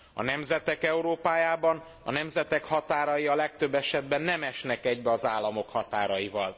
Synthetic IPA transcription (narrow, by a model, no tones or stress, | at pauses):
ɒ̰nɛmzɛt̪ɛkɛuɾoːpaːjaːbɒn | ɒ̰nɛmzɛt̪ɛkhɒt̪aːɾɒjiɒlɛk̚t̪øbːɛʃɛd̪̚bɛnːɛmɛʃnɛkɛɟbɛɒzaːlːɒmo̞khɒt̪aːɾɒjivɒl